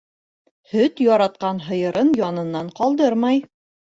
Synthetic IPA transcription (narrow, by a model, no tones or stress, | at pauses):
hɵt̪jɑɾɑt̪̚qɑnɦɤ̆jɤ̆ɾʔɤnjɒnɤ̆nːɑɴqɑlˠd̪ɤɾmɑj